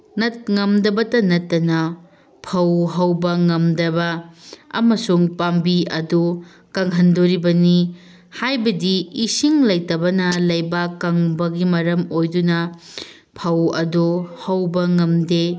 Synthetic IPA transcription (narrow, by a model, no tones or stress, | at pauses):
nɐt̚ŋɐmdɐbɐtɐnɐtːɐnɐ | pʰɐwɦɐwbɐŋɐmdɐbɐɐ̰mɐsuŋpambiɐdu | kɐŋɦɐndoɾibɐni | hajbɐdiisiŋlɐjtɐbɐnɐlɐjbakɐŋbɐɡimɐɾɐmojdunɐ | pʰɐwɐduhɐwbɐŋɐmde